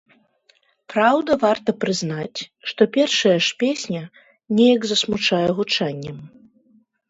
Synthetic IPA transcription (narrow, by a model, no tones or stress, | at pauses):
pɾawd̪ɐvart̪ɐpɾɨznat͡sʲʂt̪ɔpʲɛrʂɐjɐʂpʲesʲnʲɐ | nʲɛjɐɡzɐsmut͡ʂajɛɣut͡ʂanʲːɐm